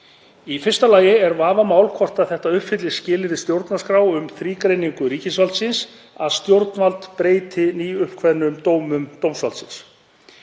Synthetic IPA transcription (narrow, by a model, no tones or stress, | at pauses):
ifɪr̥st̪alaːjɪɛɾvaːvamaːwlkʰvɔr̥t̪aθɛht̪aʏhpfɪt̪lɪ̥scɪːlɪɾɪst̪jowɾt̪naskɾaːwʏmθɾiːkɾejniŋkʏɾiːcɪsvalt̪sɪns | aðst̪jowɾt̪nvalt̪pɾeːjt̪ɪniːʏhpkʰvɛðnʏmt̪oːwmʏmt̪owmsvalt̪sɪns